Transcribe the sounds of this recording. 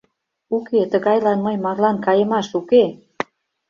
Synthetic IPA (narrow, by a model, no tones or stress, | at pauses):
uket̪əɣɑjlɑnməjmɑrlɑnkɑjemɑʃuke